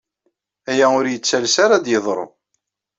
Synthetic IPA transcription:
æjæʊɾjət͡sːælsaɾad̪jəðˤɾˤo̰

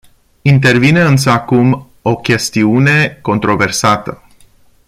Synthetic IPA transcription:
int̪e̞rvineɨnsəakum | o̞kʲe̞st̪iune̞ko̞nt̪ɾo̞ve̞rsat̪ə

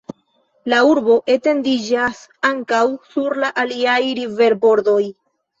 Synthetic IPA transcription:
lauɾbo̞ʔe̞te̞ndid͡ʒasaŋkawsuɾlaʔaliajɾive̞ɾbo̞ɾdo̞j

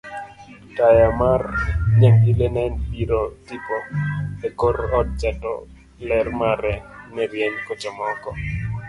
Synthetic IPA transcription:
tajamarɲaŋilenɛnpiɾotipɔekoɾɔd̚t͡ʃɛtɔ̰ | lɛrmaɾɛnɛɾjɛɲkot͡ʃɔmɔkɔ

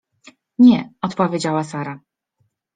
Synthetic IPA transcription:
ɲɛɔt̪pɔvʲjed͡ʑawasaɾa

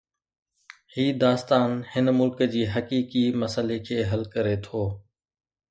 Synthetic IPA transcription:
hiːd̪aːst̪aːnhɪnmʊlkd͡ʑiːɦəkiːkiməsəlekʰeːɦɐlkəɾet̪ʰoː

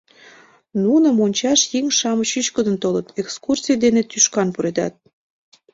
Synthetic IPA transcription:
nunə̆monʲt͡ɕɑʃjiŋʃɑməɕyʃkəd̪ənt̪olət̪ekskursʲijd̪enet̪yʃkɑnpuɾed̪ɑ̰t̪̚

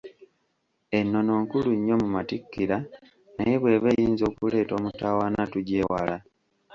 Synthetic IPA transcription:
e̞nːo̞no̞ːŋkuluɲːo̞mumatikːiɾa | naje̞βwe̞ːβejiːnzo̞ːkule̞ːto̞ːmutawaːnatuɟe̞ːwa̰la

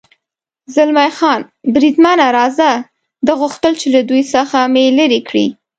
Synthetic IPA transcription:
zɪlmajxɑn | bɾid̪manaɾɑza | d̪əɣʊxt̪əlt͡ʃelad̪ujsəxameləɾikɽḭ

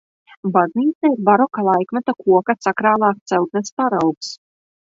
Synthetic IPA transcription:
bazniːt̪sɛiɾbaɾɔkalˠajkmat̪akuɔkasakɾaːlˠɑːst̪sɛwt̪̚nɛspaɾawks

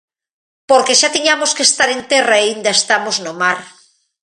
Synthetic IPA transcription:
poɾkeʃat̪iɲamoskest̪aɾent̪eraeind̪aest̪amoznomaɾ

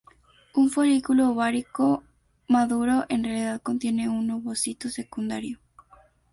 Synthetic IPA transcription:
uɱfoɾikuloβaɾiko | maðuɾoʔenrealiðaðkont̪jeneunnoβosit̪osekund̪a̰ɾjo

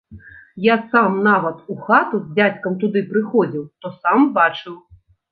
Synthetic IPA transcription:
jasamnaʋɐt̪uxat̪uzʲd͡zʲat͡sʲkɐmt̪ud̪ɨpɾɪxɔd͡zʲiwt̪ɔsambat͡ʂɨw

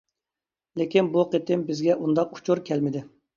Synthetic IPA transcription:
lekʲinbuqʰet̪ʰɪmbɪzɡʲɛʔund̪ɑqu̥t͡ʃʰuɾkʲʰɛlmɪd̪ɪ

